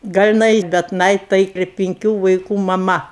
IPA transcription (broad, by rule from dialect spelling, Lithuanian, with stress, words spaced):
ˈɡɐlʲ ɪˈnɐɪ bʲɛt ˈnɐɪ tɐɪ ɪr pʲɪŋʲˈkʲuː ʋɐɪˈkuː mɐˈmɐ